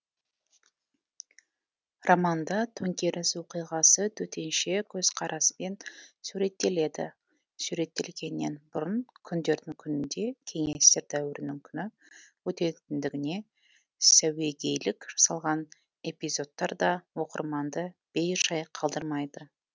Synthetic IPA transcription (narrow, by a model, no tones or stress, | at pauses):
romɑnd̪ɑt̪ʰɵŋkʲe̞ɾʔɪswo̞qijʁɑsət̪ʰɵt̪ʰe̞nʃe̞kʲʰɵz̥qʰɑɾʔɑsə̥me̞nsuɾe̞t̪ːe̞le̞d̪ɪ̰ | suɾe̞t̪ːe̞̰lɡʲe̞nːe̞̰nbʊɾənkʲʰʏnd̪e̞ɾd̪ɪŋkʲʰʏnɪnd̪e̞kʲʰe̞ŋe̞st̪e̞ɾd̪æwɪɾɪnɪŋkʲʰʏnɪ | wɵt̪e̞t̪ɪnd̪ɪɡʲɪne̞ | sæwe̞ɡʲe̞jlɪkʒ̥ɑ̥sɑlˠʁɑn | e̞pijzo̞t̪ːɑɾd̪ɑwo̞qə̰ɾmɑnd̪əb̥e̞jʒɑjqʰɑlˠd̪əɾmɑjd̪ə